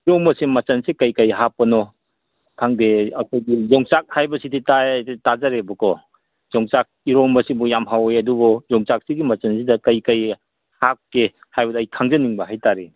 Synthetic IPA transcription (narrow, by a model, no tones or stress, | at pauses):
iɾɔŋmɐsemɐt͡ʃɐnsekɐjkajɦapːɐnɔ | kʰaŋdeakʰajɡizɔŋsak̚hajbɐsiditaetazaɾebɔkʰɔ | zɔŋsak̚iɾɔŋmɐsibɔjamɦawejɐdubɔzɔŋsak̚siɡimɐt͡ʃɐnsidɐkɐjkaj | hak̚ke | hajbɐdːjkʰaŋzɐniŋbɐɦajtaɾe